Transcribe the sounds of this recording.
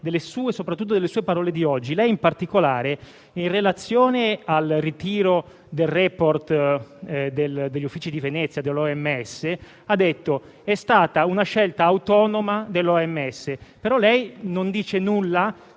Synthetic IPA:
d̪elːesuːesopɾat̪ːut̪ːod̪elːesuːepaɾɔːled̪iɔd͡ʒːilɛjimpart̪ikolaːɾe | inrelat̪sːjoːnealrit̪iːɾo | d̪elrɛːport̪ | d̪eld̪eʎːufːiːt͡ʃid̪ivenɛt̪sːjad̪elːɔɛmːeɛsːe | ad̪ːet̪ːo | ɛst̪aːt̪aunaʃɛlt̪aːwt̪ɔːnomad̪elːɔɛmːɛsːepeɾɔlɛjnond̪iːt͡ʃenulːa

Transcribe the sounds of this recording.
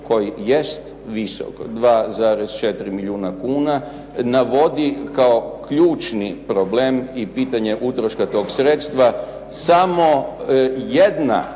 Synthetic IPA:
ko̞jijest̪ | ʋiso̰kd̪ʋaːzaːɾezt͡ʃe̞t̪ɾimiʎuːnakuːna | naʋo̞d̪ikaokʎuːt͡ʃnipɾobleːmipit̪aɲe̞ʔut̪ɾoʃkat̪oːɡsɾet̪st̪ʋa | samo̞ | jed̪na̰

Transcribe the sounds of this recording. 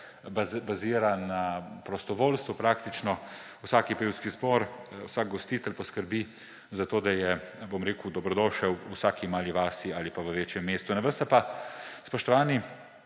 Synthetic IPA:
babaziːɾanapɾɔst̪ɔʋoːlst̪ʋupɾaːkt̪it͡ʃnɔ | wsaːkipewskizbɔɾwsaːɡ̚ɡɔst̪iːt̪ɛlpɔskəɾbi | zat̪oːd̪ajɛbomɾeːkud̪ɔbɾɔd̪ɔːʃɛwsaːkimaːliʋaːsiaːlipaʋəʋeːt͡ʃjɛmːeːst̪unɛbəst̪apaspɾɔʃt̪ɔʋaːni

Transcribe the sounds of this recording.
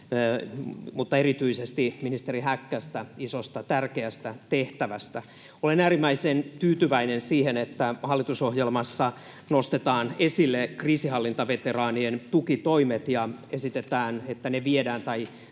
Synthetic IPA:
mut̪ːɑerit̪yisest̪iminist̪eɾiɦækːæst̪æisost̪ɑt̪ærkeæst̪æt̪eht̪æʋæst̪æ | olenæːrimːæisent̪yːt̪yʋæinensiːhenet̪ːæhɑlːit̪uso̞hjelmɑsːɑ | nost̪et̪ɑːnesilːekriːsiɦɑlːint̪ɑʋet̪erɑːnient̪ukit̪oimet̪jɑesit̪et̪æːnet̪ːæneʋiedæːnt̪ɑi

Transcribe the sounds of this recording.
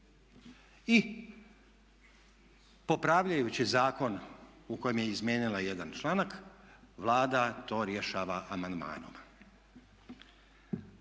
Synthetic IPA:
i | po̞pɾaʋʎajut͡ɕizaːko̞n | uko̞jemjeizmʲje̞ːnilˠaje̞d̪ant͡ʃlˠaːnak | ʋlˠaːd̪at̪o̞ːɾje̞ʃaːʋaʔamand̪ma̰ːno̰m

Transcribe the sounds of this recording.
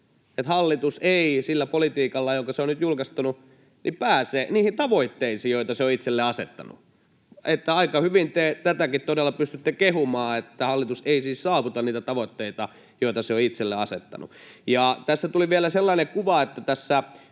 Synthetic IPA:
et̪hɑlːit̪useisilːæpolit̪iːkɑlːɑjoŋkɑseonnyt̪julkɑst̪ɑnu | nʔipæːseːniːhint̪ɑʋoit̪ːeisiːjoˑit̪ɑseoit̪selːeɑsḛt̪ːɑ̰nṵ | et̪ːæɑikɑhyʋint̪et̪æt̪ækit̪t̪odelːɑpyst̪yt̪ːekehumɑːet̪ːæhɑlːit̪useisiːssɑːʋut̪ɑnniːt̪æt̪ɑʋot̪ːeit̪ɑ | joˑit̪ɑseoit̪selːḛɑsḛt̪ːɑ̰nṵjɑˑt̪æsːæt̪uliʋiælæselːɑinekuʋɑet̪ːæt̪æsːæ

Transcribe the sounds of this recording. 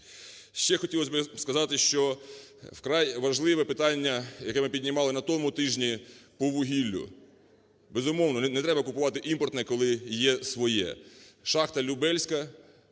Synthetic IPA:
ʃt͡ʃɛxɔtʲilˠɔsʲbɪskɐzɑt̪ɪʃt͡ʃɔ | wkɾɑjʋɐʒlˠɪʋɛpɪt̪ɑnʲːɐjɐkɛmɪpʲidʲnʲɪmɑlˠɪnɐt̪ɔmʊt̪ɪʒnʲipɔʋʊɦʲilʲːʊ̰ | bɛzʊmɔwnɔnɛt̪ɾɛbɐkʊpʊʋɑt̪ɪʔimpɔrt̪nɛkɔlˠɪjɛsʋɔjɛ̰ʃɑxt̪ɐlʲʊbɛlʲsʲkɐ

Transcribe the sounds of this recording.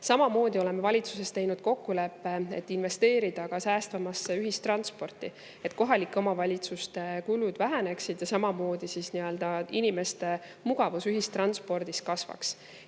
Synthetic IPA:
sɑmɑmo̞ːd̪̥ʲio̞le̞me̞vɑlʲit̪suse̞st̪e̞jnud̪̥ko̞kːule̞pːe̞ḛt̪ːˑinve̞st̪e̞ːɾid̪̥ɑkɑsæːst̪vɑmɑsːeyɦist̪rɑnspo̞rt̪ːˑi | e̞t̪̚ːˑko̞ɦɑlikːˑo̞mɑvɑlʲit̪sust̪e̞kulud̪væɦæne̞ksid̪̥jɑsɑmɑmo̞ːd̪̥isisniø̞ld̪̥ɑinime̞st̪e̞ | muɡ̥ɑvusyɦist̪rɑnspo̞rd̪̥iskɑsvɑ̰ks

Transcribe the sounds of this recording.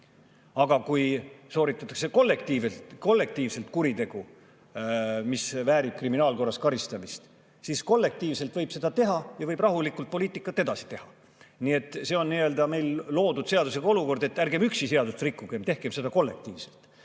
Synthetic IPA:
ɑɡ̥ɑkujso̞ːɾit̪ːˑɑt̪ːˑɑ̥kse̞ko̞lːe̞kt̪iːvet̪ko̞lːe̞k̚t̪iːvse̞lt̪kuɾit̪e̞ɡ̥u | misvæːɾib̥̚kriminɑːlko̞rːɑskɑɾist̪ɑmist̪ | sisko̞lːe̞k̚t̪iːvse̞lt̪vɤ̞jb̥se̞d̪̥ɑt̪e̞ɦɑjɑvɤjb̥rɑɦulikːˑult̪̚po̞liːt̪ˑikːˑɑt̪ːˑe̞d̪̥ɑsi̥t̪e̞hɑ | nie̞t̪ːˑse̞o̞nːiø̞ld̪̥ɑme̞jllo̞ːd̪ud̪̥se̞ɑd̪̥useɡ̥ɑo̞luko̞rd̪e̞t̪ːærɡe̞myksise̞ɑd̪ust̪rikˑːuɡ̥e̞mt̪e̞hkemse̞d̪ɑko̞lːe̞̰k̚t̪iːvse̞lt̪

